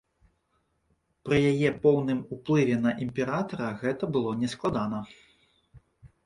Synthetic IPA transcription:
pɾɨjajɛpɔwnɨmuplˠɨvʲɛn̪ɐʔimʲpʲɛɾat̪ɐɾɐɣɛt̪ɐbɨlˠɔnʲɛsklˠad̪anɐ

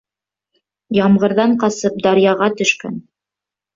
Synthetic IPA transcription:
jɑmʁɤ̆ɾðɑɴqɑsɤp̚d̪ɑɾjɑʁɑt̪ɵ̆ʃkæ̰n

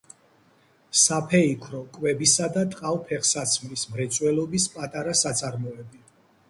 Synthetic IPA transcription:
sapʰɛikʰɾɔkʼwɛbisad̪at̪ʼqʼavpʰɛχsat̪sʰmɾismɾɛt̪sʼwɛlɔbispʼat̪ʼaɾasat̪sʼaɾmɔɛbi

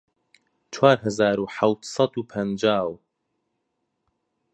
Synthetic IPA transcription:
t͡ʃʰwaːɾɦɛzaːɾuːħawt̪sɑd̪uːpʰɛnd͡ʒaːw

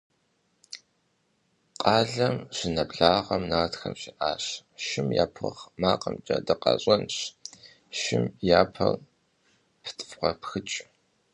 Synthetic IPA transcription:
qʼɑːɮɐmɕɪnɐbɮaːʁɐmnaʁtxɐmɕiʔaːɕʃɪmja̰ːpʰɨ̰χmaːqʼɐmt͡ʃʼɐdɨqɑ̰ɕʼɐnɕ | ʃɪmjaːpʰɐr | pʰtʼfʁʷɐpxɨt͡ʃʼ

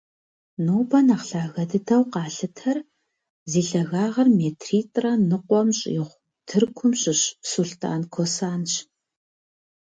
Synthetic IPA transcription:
noːbɐnaχɬaːɣɐdɨtʰɐwqɑːɬɨtʰɐr | ziːɬɐɣaːʁɐrmeːtʰriːtʼrɐnɨqʷɔmɕʼjɪʁʷ | tʰɨrkʷʰʊmɕʼɪɕsuɬtʰʼa̰ːnkʷʰosaːnɕ

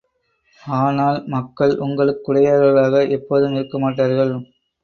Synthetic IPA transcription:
aːnaːlmɐkːɐɭʊŋɡɐɭɯkːʊɽɐjaːɾɣɐɭaːɣɐʔɛpːoːðɯmɪɾɯkːɐmaːʈːaːɾɣɐɭ

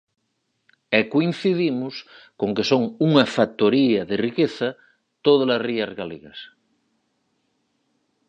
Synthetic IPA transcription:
ekoin̟θiðimʊs | koŋkesoŋuŋɐfak̚t̪oɾiɐðerikeθɐ | t̪oðalasriɐzɣaleɣɐ̰s

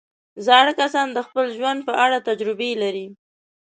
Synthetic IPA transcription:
zɑɽəkasɑnd̪əxpəlʒwand̪̚pəʔaɽat̪ad͡ʒɾɪbelaɾi

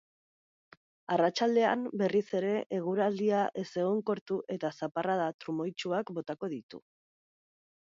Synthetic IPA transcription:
arat͡ʃald̪e̞a̰mbe̞rise̞ɾe̞ʔeɣ̞uɾald̪iaʔe̞se̞ɣ̞oŋko̞ɾt̪uʔe̞t̪asaparaðat̪ɾumo̞jt͡ʃuakbo̞t̪ako̞ðit̪ṵ

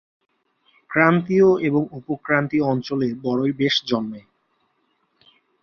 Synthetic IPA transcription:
kɾant̪ioeboŋupokɾant̪ioɔnt͡ɕoleɾbɔɾojbeʃd͡ʑɔnme

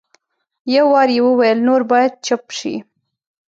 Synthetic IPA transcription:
jawːɑɾjewəwajəlnoɾbɑjad̪̚t͡ʃapʃḭ

